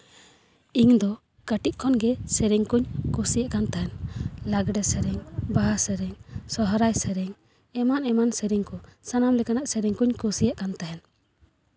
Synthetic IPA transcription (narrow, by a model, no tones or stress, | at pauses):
iŋd̪ɔ | kaʈiʔ̪̚kʰɔnɡɛsɛɾiŋkuɲkusijaʔkant̪aɦɛnlaɡɖɛsɛɾɛŋbaɦasɛɾɛŋsɔɦɔɾajsəɾɛŋ | ɛmanɛmansɛɾiŋkɔsanamlɛkanaʔsɛɾiŋkuɲkusijaʔkant̪aɦɛn